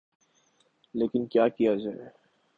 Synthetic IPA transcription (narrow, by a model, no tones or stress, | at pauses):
leːkɪnkjaːkijad͡ʒaːe